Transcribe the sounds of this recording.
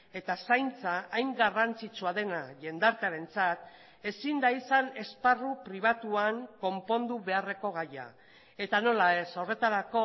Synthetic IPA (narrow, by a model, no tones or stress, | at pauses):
e̞t̪asajnt͡saʔːjŋɡarant͡sit͡suaðe̞naʝe̞nd̪aɾt̪eaɾe̞nt͡sat̪ | e̞sind̪aisane̞sparupɾiβ̞at̪uaŋko̞mpo̞nd̪uβe̞are̞ko̞ɣaja̰ | e̞t̪ano̞lae̞so̞re̞t̪aɾako̞